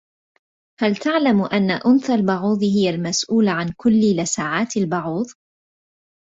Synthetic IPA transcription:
halt̪aʕlamʔanːaʔʊnθalbʊʕuːðˤhɪjalmasʔuːlʕankʊlːɪlasaːʕaːt̪albʊʕuːðˤ

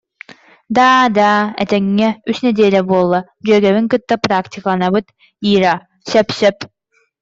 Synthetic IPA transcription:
d̪aːd̪aːɛ̰t̪ɛŋːɛysnɛd̪iːlɛbuɔlˠːa | d͡ʒyœːɡɛβiŋkɯt̪ːapɾakt̪ʲikalˠanabɯt̪ | iːɾa | sɛpsɛp̚

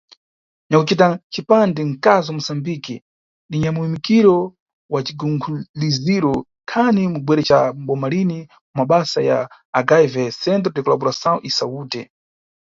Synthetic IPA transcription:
ɲakut͡ʃitat͡ʃipandɛŋ̩kazamusambiki | ɗiɲamuwimikiɾɔ | wat͡ʃiɡuŋɡʰuliziɾɔ | kʰanimubwɛɾɛt͡ʃaɓɔmalini | maɓasaja̰ː | ɡajvɛsɛnt̬ɾɔtɛkɔlabuɾasaɔʔisauːtɛ

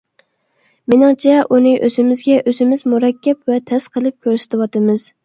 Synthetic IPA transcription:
menɪŋt͡ʃʰɛʔunɨʔøzɪmɪzɡʲɛʔøzɪmɪzmuɾɛkʲːɛpwɛt̪ʰɛsqʰəlˠɨp̚kʲʰøɾsɪ̥t̪ʰɪwɑt̪ɨmɨz̥

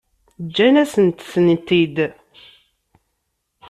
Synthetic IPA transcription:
d͡ʒːænæsənt̪sənt̪id̪

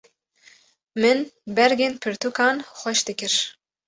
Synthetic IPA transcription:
mɨnbɛɾɡeːnpʰɨɾt̪ukɑːnxʷɛʃd̪ɨkɨɾ

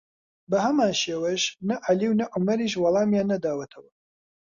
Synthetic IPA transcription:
bɐhɐmaːnʃeːweʃnɐʔaliːwnɐʔʊmɐɾiːʃwɑlˠɑːmjaːnːɐd̪aːwɐt̪ʰɐwɐ

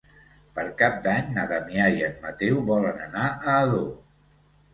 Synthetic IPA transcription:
pəɾkap̚d̪aɲnəðəmiajənmət̪ewβɔlənənaəːðo

